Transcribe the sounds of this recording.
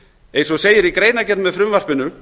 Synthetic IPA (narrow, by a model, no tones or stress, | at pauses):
ejnsɔseːjɪɾikɾeːjnacɛt̪nmɛðfɾʏmvar̥pɪnʏ